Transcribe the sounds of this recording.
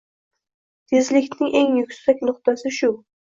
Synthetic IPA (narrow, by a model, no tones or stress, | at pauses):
t̪ʰezlɪkʲnɪŋʔeŋjʊkʲsakʲnʊχt̪asɪʃʊ